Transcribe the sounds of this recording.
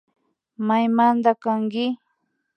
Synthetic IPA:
majmand̪akaŋkɪ

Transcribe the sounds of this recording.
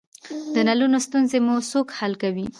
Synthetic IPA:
d̪ənalunost̪unzemusokhalkawi

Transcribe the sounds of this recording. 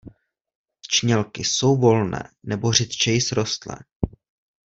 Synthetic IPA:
t͡ʃɲɛlkɪso̞wvo̞lnɛ̰ːnɛbor̝ɪt̪t͡ʃɛjɪsɾo̞st̪lɛ̰ː

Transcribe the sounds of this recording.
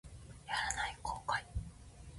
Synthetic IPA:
jaɾanaikʰo̞ːkai

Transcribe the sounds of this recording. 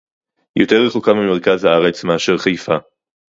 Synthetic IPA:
jot̪eʁeχokambimeʁ̞kazhaaʁet͡smeaʃeʁχajfa

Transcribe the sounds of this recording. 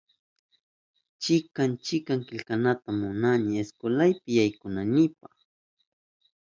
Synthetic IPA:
t͡ʃɪkant͡ʃɪkaŋkɪʎkanat̪amʊnanɪeskolajpɪjajkʊnanɪpɑχ

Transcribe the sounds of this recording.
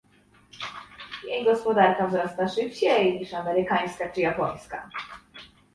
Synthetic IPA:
jejɡɔspɔd̪aɾkavzɾɔst̪aʂɘpt͡ɕejɲiʂamɛɾɘkaj̃skat͡ʂɘjapɔj̃ska̰

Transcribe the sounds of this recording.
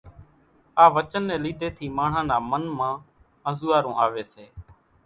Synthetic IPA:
aːʋət͡ʃənːɛ̃ːliːd̪ʱeːt̪ʰiːmãːɳ̤ãːnaːmənmãː | əzʊːaːɾũːʔaːʋeːseː

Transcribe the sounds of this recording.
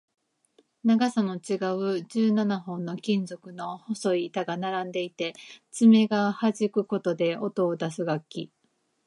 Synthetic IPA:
naɡasano̞t͡ɕiɡaɯ̟d͡ʑɨːnanaɦõ̞nːo̞kʲĩnzo̞kɯ̟no̞hoso̞it̪aɡanaɾãnd̪e̞it̪e̞t͡sɨme̞ɡahaʑikɯ̟ko̞t̪o̞d̪e̞ot̪o̞ːd̪asɨɡakʲːi

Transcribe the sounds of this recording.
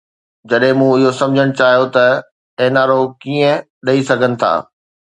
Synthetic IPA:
d͡ʑɐɗɦɪ̃mũːɪɦosɐ̃md͡ʑʱəɽ̃ʊt͡ɕaːɦjot̪ɐ | eɦnaːɾokiːə̃ | ɗɐisɐɡʱənɪ̆t̪ʰa̰ː

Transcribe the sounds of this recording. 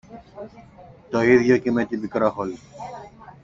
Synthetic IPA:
t̪oiðʝocemet̪ibikɾoxoli

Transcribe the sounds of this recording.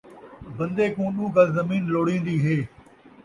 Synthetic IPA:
bɐ̃nd̪eːkũːɗũːɡalzɐmiːnloːɽĩːnd̪iːɦeː

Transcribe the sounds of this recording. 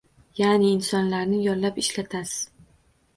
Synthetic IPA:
janɪːnsɒnlaɾnɪjɒllapɪʃlat̪ʰasɪ̥z̥

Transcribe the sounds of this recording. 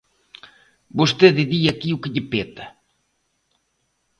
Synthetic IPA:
bost̪eðɪðiɐkiukɪʎɪpet̪ɐ

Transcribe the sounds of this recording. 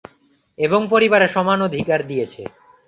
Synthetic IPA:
eboŋpoɾibaɾeʃɔmanod̪ʱikaɾd̪ijet͡ɕʰḛ

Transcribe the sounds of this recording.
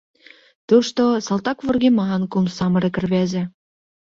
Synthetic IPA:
t̪uʃt̪osɑlˠt̪ɑkvurɣemɑnkumsɑmɤ̆ɾĕkɘ̆rβæzɘ̆

